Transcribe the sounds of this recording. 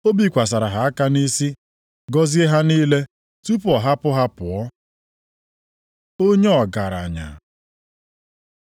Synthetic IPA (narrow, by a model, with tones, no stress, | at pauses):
o˦bi˦kʷa˨s̬a˨ɾa˨ɦa˨a˦ka˦ni˦si˦ | ɡɔ˦zi˦e˦ɦa˦niː˦le˦ | tu˦pɔ˨ɦa˦pʊ˦ɦa˦pʊ˨ɔ˦ | o˦ɲe˦ɔ˨ɡa˨ɾa̰˨ɲa̰˨